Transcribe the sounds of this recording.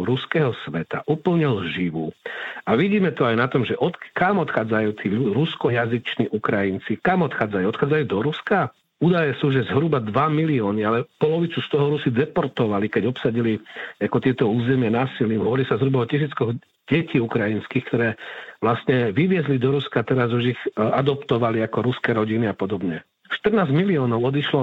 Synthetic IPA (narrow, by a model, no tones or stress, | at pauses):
ɾuskɛɦɔsʋɛt̪a̰ʔupl̩ɲɛlʒiʋuaʋiɟiːmɛt̪ɔajnat̪ɔmʒɛʔɔt̪kamɔt̪xaːd͡zajuːt̪ʰiːuɾuskɔjazit͡ʃniːʔukɾajint͡sikamɔt̪xaːd͡zajuɔt̪xaːd͡zajuːd̪ɔɾuska | uːd̪ajɛsuːʒɛzɦɾubad̪ʋamiliɔːnialɛpɔlɔʋit͡sust̪ɔɦɔɾusid̪ɛpɔɾt̪ɔʋalikɛɟɔpsaɟiliakɔt̪ɪɛt̪ɔuːzɛmɪanaːsiliːmɦɔʋɔɾilisazɦɾubaɔcis̬iːt͡skɔɣ | ɟɛciːukɾajinskiːxkt̪ɔɾɛːʋlast̪ɲɛʋiʋɪɛzlid̪ɔɾuskat̪ɛɾazuʒiɣad̪ɔpt̪ɔʋaliakɔɾuskɛɾɔɟiniapɔd̪ɔbɲɛ | ʃt̪ərnaːzmiliɔːnɔʊɔd̪iʃlɔ